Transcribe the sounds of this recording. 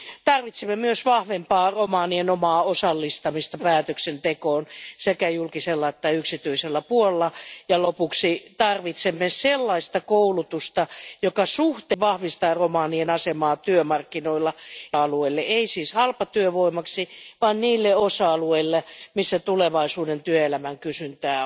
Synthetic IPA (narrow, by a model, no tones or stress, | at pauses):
t̪ɑrʋit̪simːemyøsʋɑhʋempɑːromɑːnienomɑːosɑlːist̪ɑmist̪ɑpæːt̪øksent̪ekoːnsekæjulkiselːɑet̪ːæyksit̪yiselːæpuollːɑjɑlopuksit̪ɑrʋit̪semːeselːɑist̪ɑkoulut̪ust̪ɑjokɑsuht̪eʋɑhʋist̪ɑːromɑːnienɑsemɑːt̪yømɑrkːinoilːɑɑlueilːeʔeisiːshɑlpɑt̪yøʋoimɑksiʋɑːnniːlːeosɑɑlueilːemisːæt̪uleʋɑisuːdent̪yøelæmæŋkysynt̪æː